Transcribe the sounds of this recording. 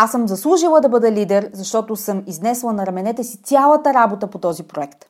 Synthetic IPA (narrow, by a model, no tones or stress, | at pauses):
asɤmzɐslˠuʒilˠəd̪ɐbɤd̪ɛlid̪ɛɾzɐʃt̪ɔt̪ʊsɤmiznɛslˠənɐɾɐmɛnɛt̪ɛsit̪sʲjalˠət̪əɾabot̪əpot̪ɔzipɾoɛkt̪